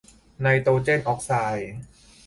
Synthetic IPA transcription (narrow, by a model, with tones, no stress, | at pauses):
na˧jt̪oː˧t͡ɕe˥˩nʔɔː˦˥k̚saː˧j